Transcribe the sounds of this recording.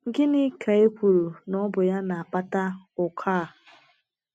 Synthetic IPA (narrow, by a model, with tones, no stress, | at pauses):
ŋ̩˨ɡɪ˦nɪ˦kʰa˨e˦kʷu˨ɾu˨nɔ˦bʊ˨ja˦na˨a˨pa˦ta˦ʊ˨kʰaː˦˨